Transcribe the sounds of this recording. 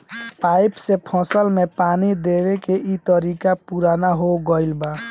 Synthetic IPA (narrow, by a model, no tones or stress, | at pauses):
paɪpsepʰɔ̃səlmepaːnid̪eɾekeʔit̪əɾikapuɾanaɦoɡəɪlba